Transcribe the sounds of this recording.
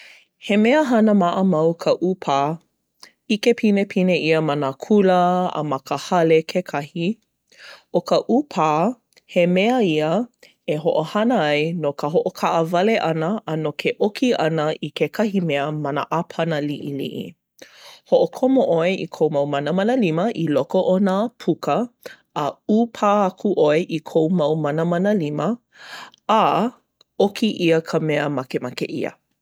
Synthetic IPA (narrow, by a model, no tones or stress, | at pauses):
hemeəɦɐnəmaʔəmɐwkʰəʔupʰaː | ikepʰinepʰineiəmanəkʰuləə̰mɐkəhɐlekʰekʰɐhi | okəʔupʰaː | hemeəiə | eɦoʔohɐnəajnokəɦoʔokʰaʔəvɐleʔɐnəʔːnokʰeʔokʰiʔɐnəʔikekʰɐhimeəmɐnə̰ʔapʰɐnəliʔilḭʔḭ | hoʔokʰomoʔoeʔikʰowmɐwmɐnəmɐnəliməʔilokoʔonapʰukəː | upʰaːakʰuʔoeʔikʰowmɐwmɐnəmɐnəlimə | a | okʰiʔiəkʰəmeəmakemakḛʔḭə̰